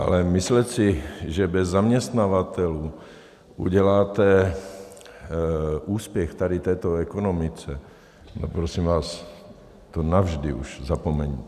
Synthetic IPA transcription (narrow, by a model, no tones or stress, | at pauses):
ʔa̰lɛmɪslɛt̪sɪʒɛbɛzːamɲɛst̪navat̪ɛluː | ʔṵɟɛlaːt̪ɛ | ʔuːspjɛxt̪adɪt̪ɛːt̪oɛkonomɪt͡sɛ | nopɾosimvaːs | t̪onavʒdɪʔuʒzapomɛɲiː